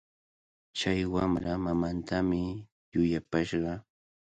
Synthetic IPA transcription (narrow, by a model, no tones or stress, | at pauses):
t͡ʃajwamɾamamant̪ʰamɪ | jʊjapaʃɢɑ